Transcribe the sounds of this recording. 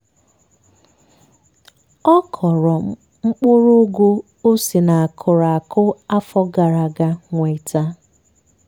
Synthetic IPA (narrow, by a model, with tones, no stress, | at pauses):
ɔ˦kʰɔ˨ɾɔ˨ | ŋ͡m̩˦k͡pʊ˦ɾo˦ɡʷo˦ | o˦si˨na˨a˨kʰʊ˨ɾa˨a˨kʰʊ˦a˦fɔ˦ɡa˨ɾa˨ɡa˦ŋʷe˨ta˦